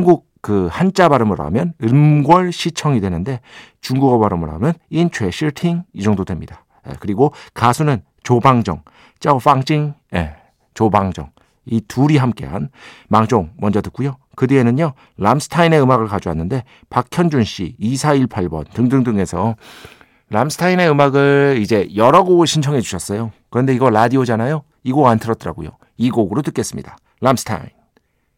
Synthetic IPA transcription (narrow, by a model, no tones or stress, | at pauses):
hnɡuk̚kɯhant͡ɕ͈abaɾɯmɯɾa̰mjʌnɯmɡwʌɭɕʰit͡ɕʰʌŋidwe̞nɯnde̞ | t͡ɕuŋɡuɡʌbaɾɯmɯɾɦa̰mjʌnint͡ɕʰwe̞ɕʰiɭtʰiŋid͡ʑʌŋdodwe̞mɲida | ḛkɯɾiɡokasʰunɯn | t͡ɕobaŋd͡ʑʌ̰ŋ | t͡ɕ͈aoɸ͈aŋd͡ʑiŋḛ | t͡ɕobaŋd͡ʑʌ̰ŋ | ituɾiɦamk͈e̞̰ɦa̰nmaŋd͡ʑoŋmʌnd͡ʑʌtɯk͈ujo | kɯdeenɯɲjʌ | lamsʰɯ̥tʰaine̞ɯmaɡɯɭkad͡ʑowanːɯnde̞ | pak̚kʰjʌnd͡ʑunɕ͈ḭisʰaiɭpʰaɭbʌ̰ntɯŋdɯŋdɯŋe̞sʰʌ | lamsʰɯ̥tʰaine̞ɯmaɡɯɭid͡ʑe̞jʌɾʌɡoɕʰint͡ɕʰʌŋe̞d͡ʑuɕʰʌs͈ʌjokɯɾʌnde̞iɡʌɭadiod͡ʑanajo | iɡoɡantʰɯɾʌt͈ɯɾa̰ɡo̰jo̰ | iɡoɡɯɾotɯk͈e̞s͈ɯmɲidḁ | lamsʰɯ̥tʰa̰in